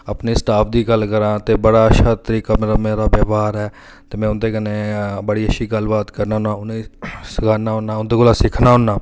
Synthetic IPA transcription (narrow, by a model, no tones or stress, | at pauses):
əpneːsʈaːpʰd̪iːɡəlkəɾãːt̪eːbəɽaːəʃʰaːt̪əɾiːkaːmeːɾaːmeːɾaːbjaːʋaːɾɦɛː | t̪eːmɛ̃ːʊnd̪eːɡənẽːbəɽiːəʃʰiːɡəlbaːt̪kəɾnaːnãːʊnĩːsəɡaːnaːɦʊnːaːʊnd̪eːkolaːsɪkʰnaːɦʊnːaː